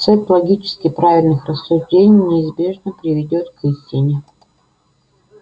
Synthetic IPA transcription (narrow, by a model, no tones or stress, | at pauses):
sɛt̪lˠɐɡʲit͡ɕɪ̥skʲɪpɾavʲɪlʲnɨxrəsːʊʐdʲenʲɪjnʲɪːzbʲe̞ʐnəpɾʲɪvʲɪdʲo̞t̪kisʲtʲɪnʲɪ